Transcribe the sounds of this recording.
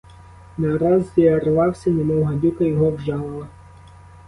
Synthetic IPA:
nɐɾɑziɐrʋɑwsʲɐnemɔwɦɐdʲukɐjɔɦɔwʒɑlˠɪlˠɐ

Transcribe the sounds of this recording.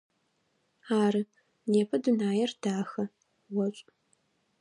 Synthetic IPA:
aːrɨ | neːpʰɐdunaːjɛrd̥aːxɐ | wɔɕʷʼ

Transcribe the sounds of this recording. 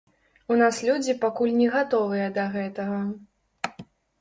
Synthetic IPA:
unaslʲud͡zʲipakulʲnʲɛɣat̪ɔvɨjɐd̪ɐɣɛt̪ɐɣɐ

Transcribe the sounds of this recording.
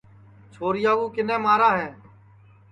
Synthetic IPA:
t͡ʃʰoːɾɪjaːɡuːkɪnẽːmaːɾaːɦɛ̃ː

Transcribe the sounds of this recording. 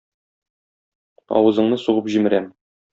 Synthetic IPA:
ɒ̰wɤ̆zɤ̆ɴnɤsuʁɤpʑimɘ̆ɾæm

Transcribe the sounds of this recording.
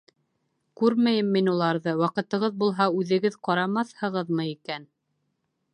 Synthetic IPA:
kʉɾmæjɘmːinulˠɑɾðɤwɑqɤ̆t̪ɤ̆ʁɤðbulˠɦɑʉðɘ̆ɡɘðqɑɾɑmɑθhɤ̆ʁɤðmɤikæn

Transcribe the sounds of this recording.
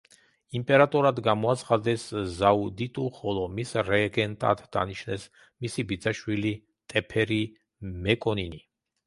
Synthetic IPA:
impʼɛɾat̪ʼɔɾad̪ɡamɔat̪sʰχad̪ɛsːaud̪it̪ʼuχɔlˠɔmisɾɛɡɛnt̪ʼa̰t̪ʰd̪a̰niʃnɛs | misibid̪zaʃwili | t̪ʼɛpʰɛɾi | mɛkʼɔnini

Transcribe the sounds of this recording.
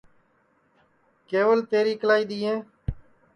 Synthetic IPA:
keːʋəlt̪eːɾiːklaːiːɗ̪iːɦẽː

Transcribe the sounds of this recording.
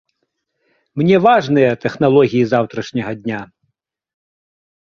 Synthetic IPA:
mnʲɛvaʐnɨjɐt̪ɛxnalˠɔɣʲijizawt̪ɾɐʂnʲɐɣɐd̪ʲnʲa

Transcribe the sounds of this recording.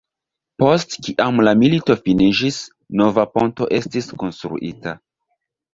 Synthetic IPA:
po̞stkiʔamlamilito̞finid͡ʒis | no̞vapo̞nto̞ʔe̞stisko̞nstɾṵʔita

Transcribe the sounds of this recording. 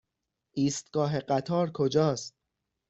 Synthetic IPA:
ʔiːst̪ɡ̥ɒːɦe̞ɢæt̪ʰɒːɾkʰod͡ʒɒːst̪̚

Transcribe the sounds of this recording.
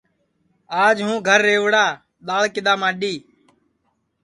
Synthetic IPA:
aːd͡ʒɦũːɡʱəɾːeːʋɽaː | ɗ̪aːɭkɪɗ̪aːmaːɗiː

